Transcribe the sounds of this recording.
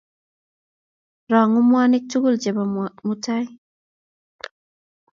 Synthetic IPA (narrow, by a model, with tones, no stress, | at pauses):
ɾa˨ŋu˦mwa˦ni˦k̚t͡ʃu˦ɡu˦ld͡ʒe˨bamutaj